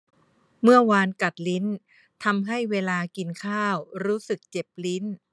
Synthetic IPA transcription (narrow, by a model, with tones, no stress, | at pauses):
mɯ˥˩ɐwaː˧nka˨˩t̪̚li˦˥n | t̪ʰa˧mɦa˥˩jweː˧laː˧ki˧nkʰaː˥˩wɾuː˦˥sɯ˨˩k̚t͡ɕe˨˩p̚li˦˥n